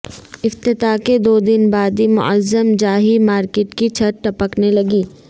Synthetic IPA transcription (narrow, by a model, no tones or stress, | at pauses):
ɪft̪ɪt̪aked̪oːd̪ɪnbaːd̪imʊ̰əzːəmd͡ʒaːɦimaːɾkeːʈkit͡ʃʰɐt̪̚ʈɐpəknelɐɡiː